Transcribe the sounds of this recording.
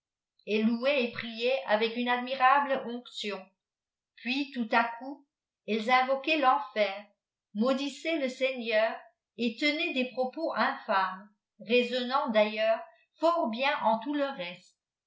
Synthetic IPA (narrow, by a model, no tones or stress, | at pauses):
ɛlːuɛepχijɛʔa̰vɛkynad̪miʁabləʔɔ̃ksjɔ̃ | pɥit̪ut̪aku | ɛlzɛ̃vɔkɛlɑ̃fɛːʁ | mod̪isɛləsɛɲœːʁ | et̪ənɛd̪epχɔpoʔɛ̃fam | ʁezɔnɑ̃d̪ajœːʁ | fɔʁbjɛ̃ʔɑ̃t̪uləʁɛst̪